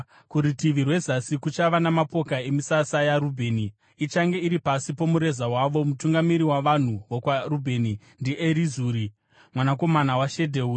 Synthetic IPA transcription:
kuɾitiʋirwe̞zasikut͡ʃaʋanamapo̞kae̞misasajaɾubʱe̞ːni | it͡ʃaŋɡe̞iɾipasipo̞muɾe̞zawaʋo̞mutuŋɡamiɾiwaʋan̤uʋokwarubʱe̞ni | ndiʔeɾizuːɾi | mwanako̞manawaʃe̞dʱeuː

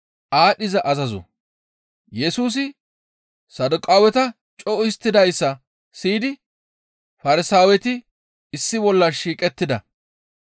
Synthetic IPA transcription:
ʔaːɗɪzɐʔɐzɐzɔ̰ | jɛsuːs̬ɪ | sɐd̪ʊkʼaːwɛt̪ɐ | t͡ʃʼɔɪst̪ːɪd̪ɐjsːɐ | siːd̪ɪ | fɐɾɪsaːwɛt̪ɪ | ɪsːɪbɔlːɐʃiːkʼɛt̪ːɪd̪ɐ

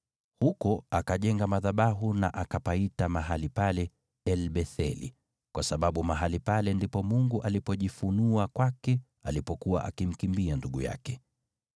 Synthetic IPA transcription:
hukɔakaʄɛŋɡamaðaɓaɦuna̰ʔakapaitamaɦalipalɛ | ɛlɓɛθɛlḭ | kwasaɓaɓumaɦalipalɛndipɔmuŋɡuʔalipɔʄifunuakwakɛ | alipɔkuwa̰ʔakim̩kimbianduɠuja̰kɛ

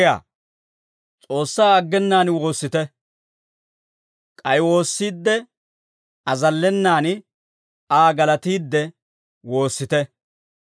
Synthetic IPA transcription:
ja̰ː | t͡sʼo̞ːsːaːɐɡːɛnːaːnwo̞ːsːɪt̪ɛ | kʼɐjwo̞ːsːiːd̪ːɛ | ɐzɐlːɛnːaːn | aːɡɐlɐt̪iːd̪ːɛ | wo̞ːsːɪt̪ɛ

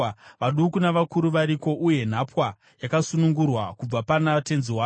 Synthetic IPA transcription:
ʋaɗukunaʋakuɾuʋaɾiko̞ʔuje̞n̤apwa | jakasunuŋɡurwakub͡vapanate̞nziwa

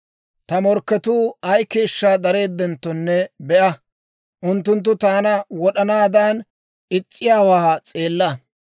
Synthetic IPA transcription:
t̪ɐmɔɾkːɛt̪uːɐjke̞ːʃːaːd̪ɐɾe̞ːd̪ːɛnt̪ːɔnːɛbɛʔɐ | ʔʊnt̪ːʊnt̪ːʊt̪aːnɐwɔɗɐnaːd̪aːn | ʔɪt͡sʼːɪjaːwaːt͡sʼe̞ːlːɐ

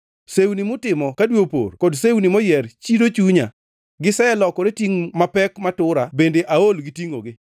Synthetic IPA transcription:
sewnimʊtɪmɔkadwopo̰rkɔdsewnimɔjɛrt͡ʃidot͡ʃuɲa̰ | ɡɪsɛɛlɔkɔɾetiŋmapɛkmatʊɾabendeʔaolɡɪtiŋo̰ɡɪ

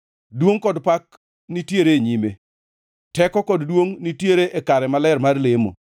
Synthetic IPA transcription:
dwoŋkɔdpak | nitjeɾeɲime | tɛkɔkɔddwoŋnitjeɾeʔekaɾɛmalɛrmarlemo̰

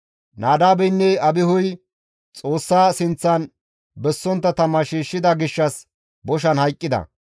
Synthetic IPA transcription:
nʔaːd̪aːbɛjnːɛɐbɪhʊj | t͡sʼo̞ːsːaːsɪnt͡sːɐn | bɛsːɔnt̪ːɐt̪ɐmːɐʃiːʃːɪd̪ɐɡɪʃːɐs | bɔʃ̬ɐnhɐjkʼːɪd̪ɐ̰

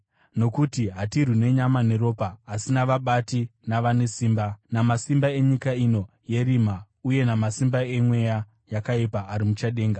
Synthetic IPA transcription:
no̞kutiɦatirine̞ɲamane̞ɾo̞ːpaːsinaʋaɓatinaʋane̞siːmbanamasimbae̞ɲikaino̞ | je̞rima | uje̞namasimbae̞mwe̞ja | jakaipaːɾimut͡ʃaɗe̞ːŋɡa

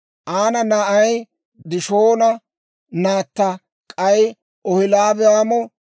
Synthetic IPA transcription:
ʔaːnɐnaʔɐj | d̪ɪʃoːnɐ | naːt̪ːɐ | kʼɐj | ɔhɪlaːbɛjaːmɔ

